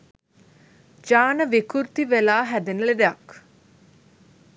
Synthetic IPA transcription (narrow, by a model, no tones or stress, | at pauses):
d͡ʒaːnəʋikuɾt̪iʋelaːɦæd̪enəled̪ejak